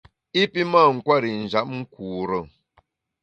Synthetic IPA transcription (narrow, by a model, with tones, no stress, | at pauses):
i˦pi˦ma˦˨ŋ̩˨kwa˦˨ɾi˨n̩˨d͡ʒa˦p̚ŋ̩˦kuː˨ɾə˦˨